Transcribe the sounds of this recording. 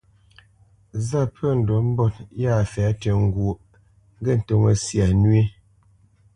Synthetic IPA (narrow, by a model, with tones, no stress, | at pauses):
za˦pʰə˦˨n̩˨dɔ˨˦m̩˦bɔ˦˨t̚ja˦˨fɛː˨˦tɛ˨ŋ̩˦ɡwo˨ʔ | ŋ˦ɡɛ˦˨n̩˨to˦˨ŋə˨sja˨nɥi˦